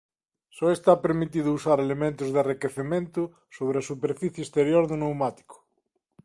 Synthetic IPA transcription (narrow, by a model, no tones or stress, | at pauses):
sɔest̪apeɾmit̪iðʊusaɾelemẽnt̪ʊzðearikeθemẽnt̪ʊ | soβ̞ɾeasupeɾfiθjeːst̪eɾjoɾðonewmat̪i̥kʊ̥